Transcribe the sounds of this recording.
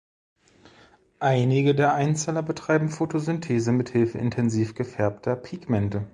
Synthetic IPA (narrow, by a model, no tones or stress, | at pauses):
ʔaɪnɪɡədeːɐʔaɪnt͡sɛːlɐbətʁ̥aɪbm̩fotʰozʏntʰeːzəmɪthɪlfəʔɪ̰ntʰɛnziːfɡ̥əfɛɐp̚tʰɐpʰiːkmɛntə